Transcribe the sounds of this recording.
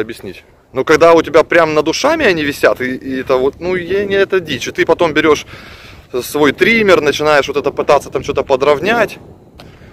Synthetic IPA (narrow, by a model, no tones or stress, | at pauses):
ɐbʲjɪsʲnʲitʲ | nokɐɡd̪aʊtʲɪbʲapɾʲamnəd̪ʊʂamʲɪɐnʲivʲɪsʲat̪ɪːɛt̪əvo̞t̪̚nujanʲɪɛt̪ədʲit͡ɕʊt̪ɨpɐt̪o̞mbʲɪɾʲo̞ʂ | svo̞jt̪ɾʲimʲɪrnət͡ɕɪnajɪʂvot̪ɛt̪əpɨt̪at̪sːət̪amt͡ɕot̪əpəd̪ɾɐvnʲatʲ